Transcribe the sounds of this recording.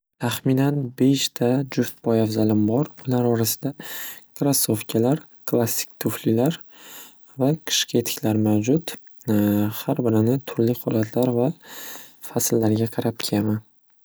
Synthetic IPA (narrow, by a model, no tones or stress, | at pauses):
t̪ʰaχminanbe̞ʃt̪ʰad͡ʒʊft̪̚bɒjafzalɪmbɒɾʊlaɾɒɾasɪ̥d̪akʰɾasːofkʲʰalaɾ | kʰlˠasːɪ̥k̚ʲt̪ʰʊflɪlaɾ | vaqʰɨ̥ʃqɨe̞t̪ʰɪ̥kʲlaɾmawd͡ʒʊt̪ | haɾbɪɾɪnɪt̪ʰʊɾlɪχɒlˠat̪ʰlaɾva | faslːaɾɡʲaqʰɑɾap̚kʲʰeaman